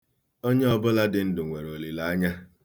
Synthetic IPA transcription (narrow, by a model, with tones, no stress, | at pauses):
o˦ɲe˦ɔ˦˨bʊ˦la˦dɪ˨n̩˦dʊ˨ŋʷe˨ɾo˨li˨la˨a˦ɲa˦